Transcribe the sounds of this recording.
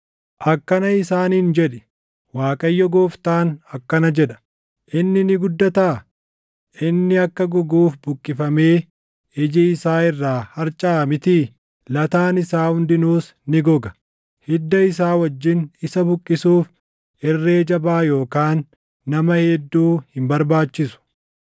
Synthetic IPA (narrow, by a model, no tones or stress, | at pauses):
ʔɐkːɐnɐɪsaːniːnd͡ʒɛᶑɛ̥ | waːkʼɐjːɔɡoːft̪aːnɐkːɐnɐd͡ʒɛᶑɐ̥ | ʔɪnːɪnɪɡʊd̪ːɐt̪aː | ʔɪnːɪɐkːɐɡɔɡuːfbʊkʼːɪfɐme̞ː | ɪd͡ʒɪɪsaːɪrːaːhɐɾt͡ʃʼaːmɪt̪iː | lɐt̪aːnɪsaːhʊnd̪ɪnuːs | nɪɡɔɡɐ̥ | hɪd̪ːɐɪs̬aːwɐd͡ʒːɪnɪsɐbʊkʼːɪsuːf | ɛrːe̞ːd͡ʒɐbaːjo̞ːkaːnː | ɐmɐhɛd̪ːuːhɪmbɐɾbaːt͡ʃːɪsʊ̥